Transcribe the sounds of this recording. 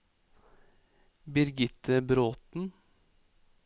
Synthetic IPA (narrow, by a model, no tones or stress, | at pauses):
bɪɾɡɪt̪ʰəbɾoːt̪n̩